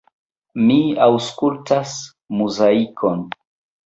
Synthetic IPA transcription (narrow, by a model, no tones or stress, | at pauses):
miawskultas | muzaikʰon